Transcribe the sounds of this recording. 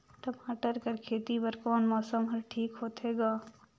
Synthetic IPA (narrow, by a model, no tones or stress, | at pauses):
ʈɐmaːʈəɾkɐɾkʰeːt̪ipɐɾkɔːnmɔːsəmɦɐɾʈʰiːkɦoːt̪ɦeːɡaː